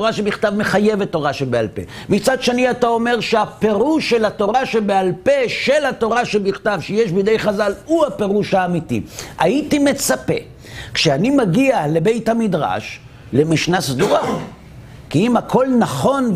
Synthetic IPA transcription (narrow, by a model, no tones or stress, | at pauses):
oʁaʃebiχt̪avmeχaje̞vetːo̞ʁaʃebealpe̞̰mit͡sadʃeniatao̞me̞ʁʃeape̞ʁuʃe̞lato̞ʁaʃebealpe̞ʃelato̞ʁaʃebiχtavʃejeʃbidejχazaluhape̞ʁuʃhaːmitḭaitime̞t͡sape̞̰ | kʃeanimaɡiale̞be̞jthamidʁa̰ʃ | le̞miʃnasduʁa | kiimakʰo̞lnaχo̞n